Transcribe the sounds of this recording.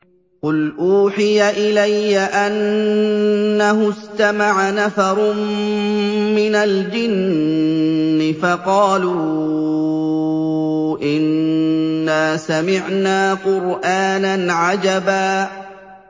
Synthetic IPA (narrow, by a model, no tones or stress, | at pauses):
qʊlʔuːħɪjaʔɪlajːaʔan | aɦʊst̪amaʕanafɑɾˤ | mɪnald͡ʒɪn | ɪfɑqɑːluː | ʔɪnː | aːsamɪʕnaːqʊɾʔaːnanʕad͡ʒabaː